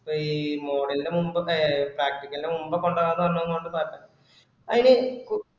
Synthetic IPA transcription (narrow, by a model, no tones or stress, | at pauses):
poiːmo̞ːɽɐlidemumbɐpraːk̚ʈikʲːɐlide̞mumbɐkːo̞ɳɖɐaːnːɐʋɐrnːɐnːkoɳɖɨpaːtːɐ | ɐðineku